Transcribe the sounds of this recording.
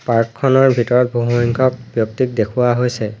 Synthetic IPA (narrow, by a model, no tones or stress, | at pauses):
paɹkʰːɔnɔɹbʱitɔɹɔt̚bʱoɦuiŋkʰɔk̚bjɔk̚tik̚dekʰʊwaɦojsɛ